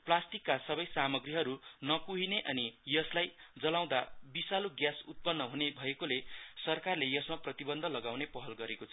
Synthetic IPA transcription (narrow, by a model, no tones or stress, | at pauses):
plasʈikːasʌbʌjsamʌɡriɦʌɾunʌkuɦineʔʌnijʌslajd͡zʌlaw̃d̪abisaloɡjasut̪̚pʌnːʌɦunebʱʌekolesʌrkarlejʌsmaprʌt̪ibʌnd̪ʱʌlʌɡaw̃nepʌɦʌlɡʌɾekot͡sʰʌ